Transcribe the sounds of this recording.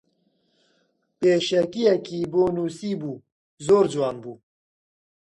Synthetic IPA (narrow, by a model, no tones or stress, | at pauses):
peːʃɛkijɛkiːboːnuːsiːbuː | zoːɾd͡ʒwɑːnbuː